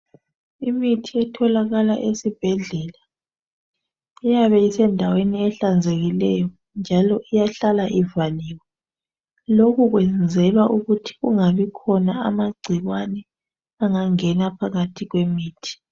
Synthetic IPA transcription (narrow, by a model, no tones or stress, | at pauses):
imitʰiɛtʰɔlaɣalaʔesib̥ʱɛɮɛla | ɛjaβɛisɛndʱaweniɛɬand͡zʱeɣilɛjɔɔ | nd͡ʒʱalɔʔijaɬalaʔivaliːwɛ | lokuɣwɛnd͡zʱɛlwaʔuɣutʰi̥ɣuŋaβikʰɔnaamaɡ͡ǀʱiɣwanɛ | aŋaŋɛnapʰaɣatʰiɣwemiːtʰi̥